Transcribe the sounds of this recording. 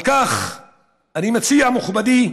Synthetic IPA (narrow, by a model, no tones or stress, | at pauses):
kaχ | animat͡siamuχbad̪i